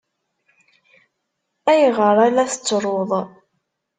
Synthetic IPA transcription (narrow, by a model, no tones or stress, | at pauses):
æjəʁəɾˤalæθə̥t͡sːɾˤoðˤ